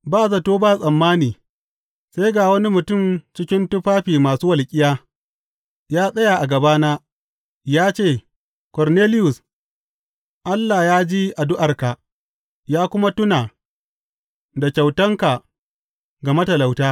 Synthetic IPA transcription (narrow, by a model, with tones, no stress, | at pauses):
baː˦˨zɐ˨toː˦baː˦˨sʼɐ˨mːaː˦niː˨ | sa˦jɡaː˨wɐ˦ni˦mʊ˨tʊ˦˨mt͡ʃɪ˦kʲɪ˦ntʊ˦ɸaː˦ɸiː˨maː˨suː˦wɐ˨lkʲʼɪ˦jaː˦ | jaː˦sʼɐ˦ja˨ʔa˨ɡɐ˨baː˦naː˦ | jaː˦t͡ʃeː˦˨ | kɔ˨rneː˦lɪ˦jʊ˨s | ʔa˦lːaː˨jaː˦d͡ʒi˦ʔa˨dʊ˦ʔa˨rka˨ | jaː˦kʷʊ˦ma˦tʊ˦naː˨ | da˨kʲa˨wtɐ˦ŋka˨ | ɡa˨mɐ˦tɐ˨la˨wtaː˦